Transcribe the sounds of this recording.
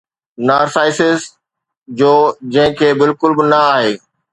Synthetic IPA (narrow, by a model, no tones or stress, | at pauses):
naːɾsaːɪsɪz | d͡ʑoːd͡ʑɐ̃ɦɪ̃kʰeːbɪlkʊlbɪnɐaːɦeː